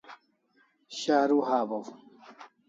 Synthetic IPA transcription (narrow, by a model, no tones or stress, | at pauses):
ɕaːɾuɦaːbɐw